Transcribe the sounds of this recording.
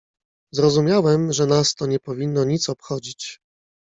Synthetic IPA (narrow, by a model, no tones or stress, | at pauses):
zɾɔzumʲjawɛmʐɛnast̪ɔɲɛpɔvʲinːɔɲit̪sɔpxɔd͡ʑit͡ɕ